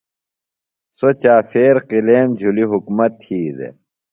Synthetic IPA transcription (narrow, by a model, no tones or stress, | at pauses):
sot͡ɕaːfeːɾqileːmd͡ʑʱuliɦukmɐt̪hiːd̪ḛ